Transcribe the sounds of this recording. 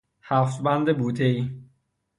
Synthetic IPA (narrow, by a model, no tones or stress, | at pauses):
hæft̪bænd̪ebuːt̪ʰei